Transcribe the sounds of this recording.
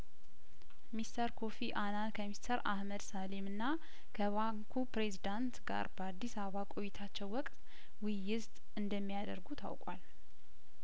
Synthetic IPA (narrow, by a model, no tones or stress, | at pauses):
mist̪ʰəɾkʰo̞fiʔanankʰəmist̪ʰəɾa̰hməd̪salemɨnːa | kʰəβaŋkʰupɾe̞zid̪ant̪ɡa̰ɾbəad̪ːisaββakʼo̞jːɪt̪ʰat͡ʃːɛwːɔkʼt̪ʼ | wɪjːɪzt̪ʼ | ɨnd̪əmːijad̪ə̰ɾɡut̪ʰa̰wkʼa̰l